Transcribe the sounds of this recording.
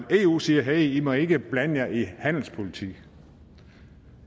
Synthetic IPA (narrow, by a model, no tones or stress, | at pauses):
e̝ːṵːsiːɐɦeimɒe̝ɡ̥əb̥lænjɑihæn̰l̩spʰo̝lit͡sʰḭɡ